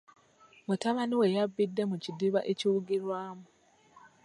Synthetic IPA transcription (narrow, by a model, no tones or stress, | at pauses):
mutaβaniwe̞jabːidːe̞mucidiβaʔeciwuɡiɾwaːmu